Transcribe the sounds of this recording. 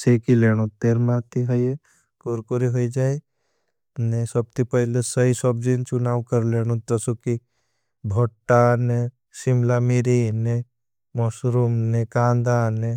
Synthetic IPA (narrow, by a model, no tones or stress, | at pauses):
sekileɽ̃ot̪eːɾmãt̪iɦoje | koɾkoɾiɦoid͡ʒaːe | nesəb̚t̪ipəɦlesəɦisəb̚d͡ʒint͡ʃʊnaːʋkəɾleːɽ̃õt̪əsoki | bʱoʈːane | simlamiɾine | mɔsɾumnekãːnd̪ane